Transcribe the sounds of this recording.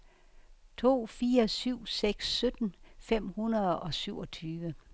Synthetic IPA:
t͡sʰo̝̰ːfiːɐsyʊ̰seɡ̥sːød̥n̩fem̰hunɐðˠɒ̽syʊɒ̽t͡sʰyːʋə

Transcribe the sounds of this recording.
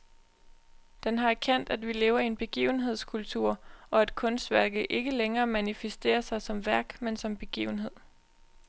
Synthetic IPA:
d̥enɦɑ̈æɐkʰen̰d̥æd̥ʋile̝ːʊɐienb̥e̝ɡ̥ḭːʊn̩ɦe̝ð̞̰ˠskʰult͡sʰuɐ̰ɒ̽æd̥kʰɔ̽nsd̥ʋæɐɡ̥ð̩ˠʔe̝ɡ̥əleŋɐːmænifesd̥e̝̰ːɐsɑ̈ɪsɒ̽mʋæɐɡ̥mensɒ̽mb̥e̝ɡ̥ḭːʊn̩ɦe̝ð̞̰ˠ

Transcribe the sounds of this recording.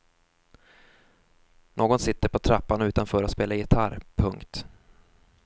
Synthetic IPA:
nʔoːɡɔnsɪt̪ːəɾpɔt̪ʰɾapːanʉ̟ːt̪anfœːɾat̪speːlajɪt̪ʰaɾpʰɵŋkt̪

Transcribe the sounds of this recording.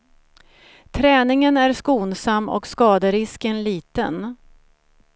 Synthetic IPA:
t̪ʰɾɛːnɪŋənæɾskuːnsamːɔ̰kskɑːd̪əɾɪskənliːt̪ə̰n

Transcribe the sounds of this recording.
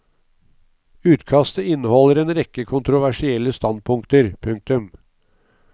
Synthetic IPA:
ʉːt̪kʰɑst̪əɪnːəhɔlːəɾeːnɾɛkːəkʰʊnt̪ɾʊʋæʂɪɛlːəst̪ɑnd̪̚pʰʊŋkt̪əɾpʰʉŋk̚t̪ʉm

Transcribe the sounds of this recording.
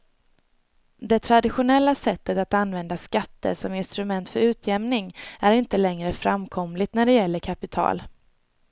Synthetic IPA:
d̪ɛt̪ʰɾad̪ɪɧʊnɛlːasɛt̪ːət̪at̪anːvɛnd̪askat̪ːə̰ʂɔmɪnst̪ɾɵmɛnt̪fœɾʉ̟ːt̪ʰjɛmnɪŋæɾɪnt̪əlɛŋɾəfɾamkʰɔmlɪt̪næɖɛjɛlːəɾkʰapɪt̪ʰɑ̰ːl

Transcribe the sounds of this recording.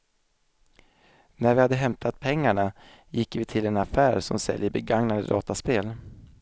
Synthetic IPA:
næɾvɪhad̪ːəɦɛmt̪ʰat̪̚pʰɛŋːaɳa | jɪkːvɪt̪ʰɪlɛnafæːɾsɔmsɛ̰ljəbɛɡaŋnad̪ə̰d̪ɑ̰ːt̪aspeːl

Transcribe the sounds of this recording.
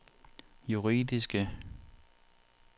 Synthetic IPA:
juʁḭdisɡ̥ə

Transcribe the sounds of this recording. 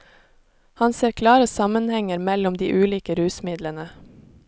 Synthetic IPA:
hɑnseːɾkʰlɑːɾəsɑmənhɛŋəɾmɛlʊmd̪ḭːʔʉːliːkəɾʉːsmɪd̪lənə

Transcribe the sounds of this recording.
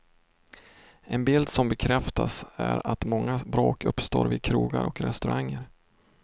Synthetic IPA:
ɛnbɪld̪sɔmbɛkʰɾɛft̪asæɾat̪mɔŋːabɾoːkɵpst̪oːɾvɪd̪̚kʰɾuːɡaɾɔkɾɛst̪ɵɾʔaŋːəɾ

